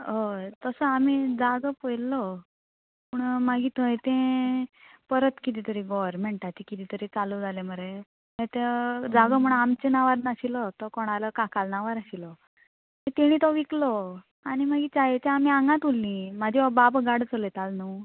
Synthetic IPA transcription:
ɦot̪əsəamid͡zaɡəpəjlːɔ | puɳmaɡiːt̪uet̪ẽ | pəɾət̪kit̪̬iːt̪əɾiɡɔʋəɾmeɳʈat͡ɕikit̪it̪əɾit͡salud͡zalem̤əɾe | ẽt̪ed͡zaɡəm̤əɳamt͡ɕenaʋaɾnaɕilɔt̪ɔkɔɽ̃aləkakalnaʋaɾaɕilɔ | it̪eɽ̃it̪ɔʋiklɔ | aɽ̃imaɡiːt͡ɕajet͡ɕeamiaŋɡãt̪ulːĩmad̪ʱiababɡaɽt͡səlet̪alnu

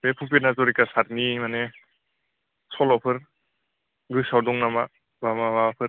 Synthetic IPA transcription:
bepʰupinazɔɾikasaɾnimane | sɔlɔpʰɯɾ | ɡɯsawdɔŋnama | bamabaɔpʰɯɾ

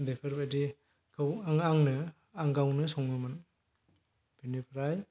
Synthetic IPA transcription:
depʰɯɾbajdi | kʰɯwaŋaŋnɯ | aŋɡawnɯsɔŋnɯman | b̥enipʰɾaj

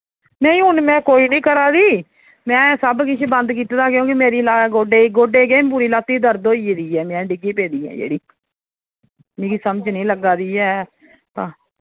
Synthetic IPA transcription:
nəĩːɦʊnmɛ̃ːkoːiːnĩːkəɾaːd̪iː | mɛ̃ːsəbkɪt͡ʃʰːbənd̪kiːt̪d̪aːkjõːkɪmeːɾiːlaːɡoːɖeːɡoːɖeːɡeːmpuːɾiːlaːt̪iːd̪əɾd̪oːiːd̪iːɛːmɛ̃ːɖɪɡiːpeːd̪iːɛ̰̃ːd͡ʒḛːɽiː | mĩːkiːsəməd͡ʒnĩːləɡaːd̪iːɛː | t̪ãː

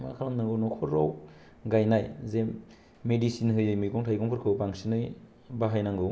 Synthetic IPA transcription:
makʰalaŋnaŋɡonɔkʰɔɾɔw | ɡajnajzemː | edisinɦɯjɯjmɯjkɔŋtʰajkɔŋpʰɯɾkʰɯwpaŋsinɯj | baɦajnaŋɡɯw

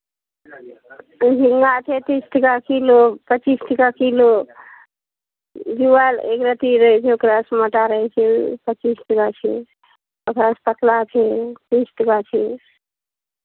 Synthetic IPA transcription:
d͡ʒiŋɡat͡ʃʰet̪isʈəkakilopət͡ʃisʈəkakilo | d͡ʒuʋalḛkɾət̪iɾəɦɛt͡ʃʰeokɾasməʈaɾəɦɛt͡ʃʰɛpət͡ʃisʈəkat͡ʃʰɛ̰ | okɾaspət̪lat͡ʃʰet̪isʈəkat͡ʃʰe

